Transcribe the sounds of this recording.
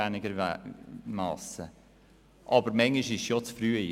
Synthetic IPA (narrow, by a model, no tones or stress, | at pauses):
ænɪɡəɾ | mɑ̰ːsə | ʔɑbəɾmɛŋɪʃɪʃjot͡sfɾyːəi